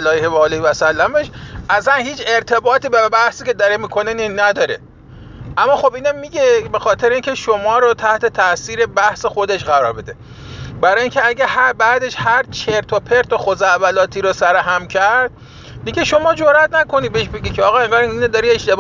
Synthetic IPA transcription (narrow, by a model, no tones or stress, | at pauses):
ælɒːjhevɒːlevæsælːæmeʃʔæzænhiːt͡ʃʰe̞ɾt̪ʰe̞bɒːt̪iːbebæhsiːcʰʲed̪ɒɾemiːkʰo̞neninæd̪ɒːɾe | ʔæmːɒːxobʔiːnemiɡebe̞xɒːt̪ʰeɾeiːŋcʲʰe̞ʃomɒːɾot̪ʰæht̪e̞t̪ʰæʔsiːɾe̞bæhse̞xo̞d̪e̞ʃɣæɾɒ̰ːɾbe̞d̪e | bæɾɒːjiːŋcʲʰeæɟʲæhæɾbæd̪e̞ʃhæɾt͡ʃʰeɾt̪ʰopʰe̞ɾt̪ʰoxozæʔbælɒːt̪ʰiːɾosæɾoɦæmcʰæɾd̪̚ | miɟʲeʃo̞mɒːd͡ʒoɾæt̪næko̞nid̪beeʃbe̞ɟʲicʰeɒːɣɒːeŋɡɒːɾiined̪ɒɾie̞ʃt̪e̞b